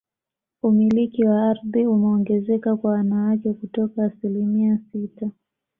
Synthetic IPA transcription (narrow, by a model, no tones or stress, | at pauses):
umilikiwaaɾðiumɛɔŋɡɛzɛkakwawanawakɛkutɔkaːsilimiasita